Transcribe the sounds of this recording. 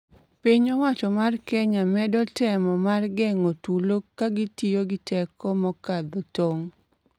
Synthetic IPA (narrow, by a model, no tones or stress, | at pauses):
piɲɔwat͡ʃɔmarkɛɲamɛdɔtɛmɔmarɡɛŋotulokaɡitijoɡɪtʰɛkɔmɔkad̪ɔtoŋ